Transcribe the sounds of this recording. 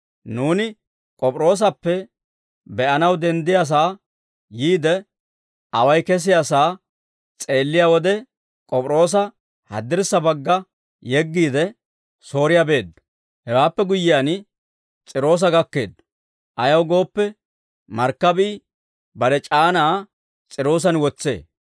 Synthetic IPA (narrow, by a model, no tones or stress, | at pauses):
nuːnɪ | kʼɔpʼɾo̞ːs̬ɐpːɛ | bɛʔɐnɐwd̪ɛnd̪ɪjas̬aː | jiːd̪ɛ | ʔɐwɐjkɛs̬ɪjasaː | t͡sʼe̞ːlːɪjawɔd̪ɛ | kʼɔpʼɾo̞ːs̬ɐ | hɐ̰d̪ɪɾsɐbɐɡːɐ | jɛɡːiːd̪ɛ | so̞ːɾɪjabe̞ːd̪ːɐ | hɛwaːpːɛɡʊjːɪjaːn | t͡sʼɪɾo̞ːs̬ɐɡɐkːe̞ːd̪ː | ʔɐjɐwɡo̞ːpːɛ | mɐɾkːɐbɪː | bɐɾɛt͡ʃʼaːnaː | t͡sʼɪɾo̞ːs̬ɐnwɔt͡sːe̞ː